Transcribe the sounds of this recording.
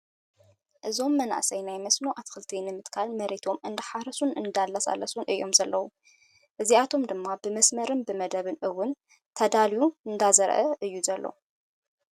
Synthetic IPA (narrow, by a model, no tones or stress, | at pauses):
ʔɨzo̞mːɐna̰ʔsɐjnajmɐsnoʔat̪xɨlt̪ʰinɨmɨt̪kʰalmɐɾet̪ʰo̞mɨnd̪ɐħaɾɐsunɨnd̪alːɐsʼa̰lːɐsunʔɨjo̞mzɐlːɐwu | ʔɨziat̪ʰo̞md̪ɨmːabɨmɐsmɐɾɨnbɨmɐd̪ɐβɨnʔɨwʊn | t̪ʰɐd̪aljuɨnd̪azɐɾʔɐʔɨjːuzɐlːo̰